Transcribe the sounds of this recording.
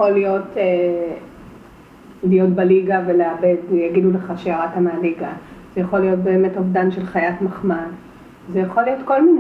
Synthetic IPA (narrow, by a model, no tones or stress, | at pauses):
olijo̞tʰe | lijo̞tbaliɡaveleabe̞djaɡiduleχaʃeaʁatamealiɡaz̥ejaχo̞lːijo̞t̚be̞ːme̞tovdanʃe̞lχajatmaχmad | zejaχolijo̞tko̞lmin